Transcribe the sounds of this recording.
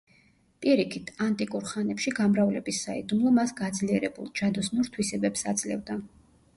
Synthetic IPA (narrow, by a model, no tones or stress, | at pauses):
pʼiɾikʰit̪ʰant̪ʼikʼuɾχanɛpʃiɡamɾavlɛbisːaid̪umlˠɔmasɡad̪zliɛɾɛbṵlˠd͡ʒad̪ɔsnuɾt̪ʰwisɛbɛpsad̪zlɛ̰vd̪a